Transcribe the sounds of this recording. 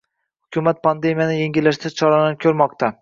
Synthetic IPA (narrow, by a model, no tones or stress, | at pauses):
hʊkʲʰʊmat̪̚pʰand̪e̞mijanɪje̞ŋɡʲɪlːaʃt̪ʰat͡ʃʰɒɾanap̚kʰʲɵɾmɒqt̪ʰa